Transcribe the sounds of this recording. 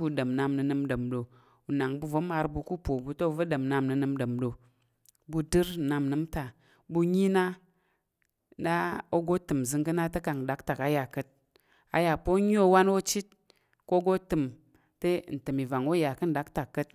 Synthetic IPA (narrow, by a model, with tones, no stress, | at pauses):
bu˧də˨m˨na˧mnɨ˧nɨ˧mdə˨mdo˨ | u˨na˨ŋbu˧vo˨˦ma˧ɾbu˧ku˦po˨bu˨˧to˦˧˨və˦də˨mna˧mnɨ˧nɨ˧mdə˨mdo˨ | bu˧dɨ˦ɾ̩˨na˧mnɨ˨˦mta˨ | bu˧ɲi˦na˦ | na˦o˦ɡo˦tɨ˨m˨zɨ˧ŋkɨ˦na˦te˦ka˨kn̩˨da˨˦kta˨ka˨˦ja˨kə˧t̚ | a̰˨ja˨po˦ɲ˦o˦˧˦wa˦no˦t͡ʃi˦t̚ | ko˦ɡo˦tɨ˨m | te˦˨n̩˨tɨ˨mi˨va˨ŋo˦ja˨kɨ˦n̩˨da˨˦k̚ta˨kːə˧t̚